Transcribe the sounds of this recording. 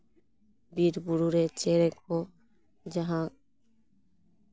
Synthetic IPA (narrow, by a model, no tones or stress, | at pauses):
biɾbuɾuɾet͡ʃeɾeko | d͡ʒaɦã